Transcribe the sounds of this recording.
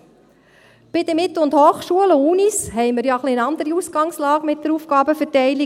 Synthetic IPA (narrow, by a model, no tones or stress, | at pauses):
b̥ɪd̪əmɪt̪l̩ʊnd̪hoːχʃuələuːnishɛɪməɾjɑχliəɑnd̪əɾiusɡ̥ɑŋslɑːɡ̥mɪt̚d̥̪əɾuːfɡ̥ɑːbəfətɛɪli